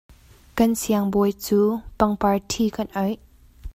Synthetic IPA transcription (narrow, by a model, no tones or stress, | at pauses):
kansiaŋbɔjt͡suːpaŋpaɹtʰiːkanʔɔj